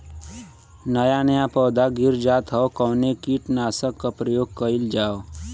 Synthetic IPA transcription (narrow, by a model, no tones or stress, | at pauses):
nəjanəjapɔːd̪aɡʱiɾd͡ʒaːt̪ɦɔokɔnekiʈnaːsəkːapɾəjoːɡ̚kəild͡ʒaːo